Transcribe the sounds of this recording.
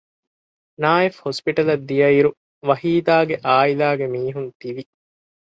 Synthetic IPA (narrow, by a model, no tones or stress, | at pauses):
naːefhospiʈɐlɐd̪ːijɐiɾu | ʋɐhiːd̪aːɡeʔaːilaːɡemiːɦunt̪iʋi